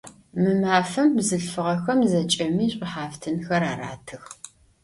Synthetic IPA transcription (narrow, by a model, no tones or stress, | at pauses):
mɨmaːfɐmbzɨɬfɨʁɐxɐmzɐt͡ʃʼɐmiːɕʼɪħaːftʰɨnxɐɾaːɾa̰ːtʰɨx